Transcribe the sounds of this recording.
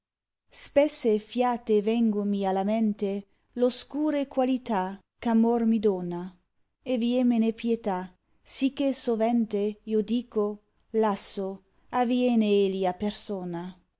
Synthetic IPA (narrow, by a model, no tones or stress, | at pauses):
spesːefjaːt̪evɛŋɡomialamɛnt̪e | loskuːɾekwalit̪a | kamormid̪oːna | evjemenepjet̪a | sik̟ːesovɛnt̪eiod̪iːko | lasːo | avjɛːneeliapersoːna